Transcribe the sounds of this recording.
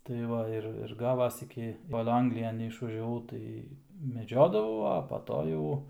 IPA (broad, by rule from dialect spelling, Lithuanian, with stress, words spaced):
tɐɪ ˈʋɐ ɪr ɪr ˈɡɑːʋɐs ˈɪkʲɪ ˈkoːlˠ ˈɐŋɡlʲɪjɛn nʲɛɪʃʋɐʒʲɛˈʋɐʊ ˈtɐɪ mʲɛˈd͡ʒʲoːdɐʋɐʊ ɐ pɐ ˈtoː jɛʊ